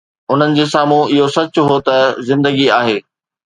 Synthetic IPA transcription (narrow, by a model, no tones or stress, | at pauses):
ʊn̤ənɪ̆d͡ʑeːsaːmũɪɦosɐt͡ɕʊɦot̪ɐzɪ̃nd̪əɡiaːɦeː